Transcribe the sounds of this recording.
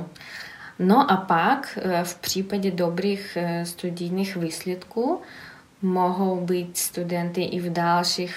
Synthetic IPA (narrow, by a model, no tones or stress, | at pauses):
noʔapakfpr̝̥iːpaɟɛd̪obɾiːxst̪ud̪ɪjniːxviːsljɛt̪kuː | moɦowbiːcst̪ud̪ɛnt̪ɪʔɪvd̪alʃix